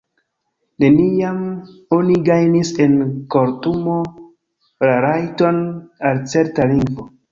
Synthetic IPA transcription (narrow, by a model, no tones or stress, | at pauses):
ne̞nijamoniɡajnise̞nko̞ɾtumo̞ | ɾaɾajto̞nalt͡se̞ɾtaliŋɡvo